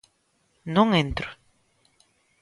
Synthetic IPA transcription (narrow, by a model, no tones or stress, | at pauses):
nõŋent̪ɾo̥